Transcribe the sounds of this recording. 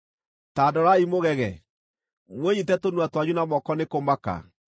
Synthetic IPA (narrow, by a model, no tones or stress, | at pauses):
tadɔɾaimoɣɛɣɛ | mweɲitɛtonwatwaɲunamɔkɔnekomaka̰